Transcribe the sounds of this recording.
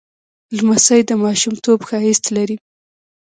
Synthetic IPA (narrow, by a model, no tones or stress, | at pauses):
lmasajd̪əmɑʃumt̪obxɑist̪laɾi